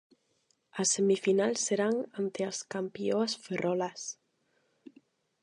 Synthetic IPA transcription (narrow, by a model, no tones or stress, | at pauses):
asːemifinalˠsːeɾaŋant̪easkampioasferʔɔlas